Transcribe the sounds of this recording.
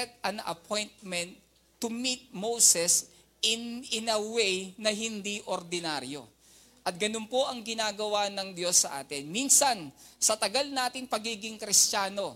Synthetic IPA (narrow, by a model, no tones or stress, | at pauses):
ɛt̪̚ɐnʔɐ̰pʰo̞jnt̪̚mɛnt̪ː | ʊmit̪̚mowsɛs | ʔɪnɪnɐwejnɐɦɪnd̪iʔoɾd̪ɪnaɾjo̞̰ | ʔɐt̪̚ɡɐnonpo̞ʔɐŋɡɪnaːɡɐwanɐŋd̪jo̞sːɐʔa̰ːt̪ɪnminsɐnsɐt̪ɐɡɐlnaːt̪ɪŋpɐɡiːɡɪŋkɾɪst͡ʃaːno̞